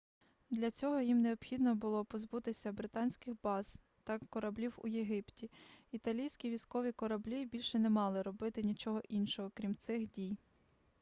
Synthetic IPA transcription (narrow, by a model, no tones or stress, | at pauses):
d̪lʲɐt͡sʲɔɦɔjimneɔpxʲid̪nɔbʊlˠɔpɔzbut̪ɪsʲɐbɾɪt̪ɑnʲsʲkɪxbɑz̥ | t̪ɐkːɔɾɐblʲiwʊ̰jeɦɪptʲiit̪ɐlʲijsʲkʲiʋʲisʲkɔʋʲikɔɾɐblʲibʲilʲʃɛnemɑlˠɪɾɔbɪt̪ɪnʲit͡ʃɔɦɔʔinʃɔɦɔkɾʲimt̪sɪxdʲij